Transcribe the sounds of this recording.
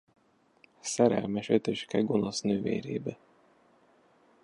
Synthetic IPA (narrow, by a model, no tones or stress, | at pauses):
sɛɾɛ̰lmɛʃøt̪øʃkɛɡonosnøːvḛːɾḛːbɛ